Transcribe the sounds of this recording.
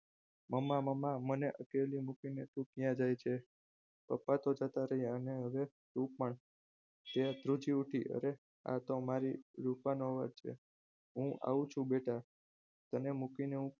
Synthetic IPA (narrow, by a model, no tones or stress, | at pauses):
məmːaməmːaməneʔəkelimukinet̪ũkjãd͡ʒajt͡ʃʰe | pəpːat̪od͡ʒət̪aɾəɦiaəneɦəʋe | t̪ũpːəɳ | t̪ead̪ɾud͡ʒiuʈʰiʔə̰ɾe | a̰t̪omaɾiɾupanoʋaɾt͡ʃʰḛ | ɦũa̰ũt͡ʃʰũbeʈa | t̪ənemukineɦũ